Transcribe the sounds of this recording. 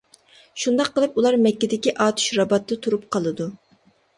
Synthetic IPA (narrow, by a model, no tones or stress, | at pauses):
ʃund̪ɑqːəlˠɨpulˠɑɾmɛkʲːɪd̪ɪkʲiʔɑːt̪ʰu̥ʃɾɑbɑt̪ːɨt̪ʰuɾup̚qʰɑlˠɨd̪u